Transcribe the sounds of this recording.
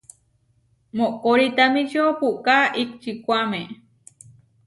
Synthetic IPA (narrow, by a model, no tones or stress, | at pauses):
moʔkoɾit̪amikʃopuʔkaʔik̚t͡ʃikʷame